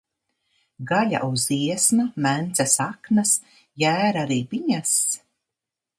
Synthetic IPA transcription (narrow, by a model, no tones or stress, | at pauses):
ɡaʎʲa̰ʔuziɛsnamænt̪sɛsaknas | jæːɾaɾiːbiɲas